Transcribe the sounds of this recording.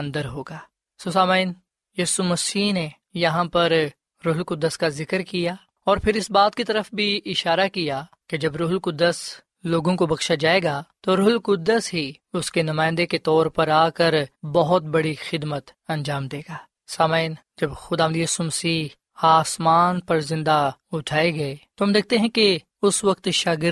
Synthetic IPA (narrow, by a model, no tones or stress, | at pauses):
ɐ̃nd̪əɾɦoːɡaː | sosaːmaːɪn | jiːsumɐsiːɦne | jɐɦãpɐɾ | ɾʊɦʊlkʊd̪ːəskazɪkəɾkijaː | ɔːɾpʰɪɾɪsbaːt̪̚kit̪ɐɾəfbʱiʔɪʃaːɾakija | ked͡ʒɐbɾʊɦlkʊd̪ːəs | loːɡõkobɐkʃad͡ʒaːeːɡat̪oɾʊɦʊlkʊd̪əsɦi | ʊskenɐmaːɪ̃nd̪eket̪ɔːɾpɐɾaːkəɾbɐɦʊt̪̚bɐɽixɪd̪mət̪ɐ̃nd͡ʒaːmd̪eːɡaː | saːman | d͡ʒɐbxʊd̪aːʋə̃nd̪ijaːsumɐsiːɦ | aːsmaːnpɐɾzɪ̃nd̪aʊʈʰaːeɡɐet̪oɦɐmd̪eːk̚ʰt̪eɦɛ̃ke | ʊsʋɐk̚t̪ʃaːɡɪ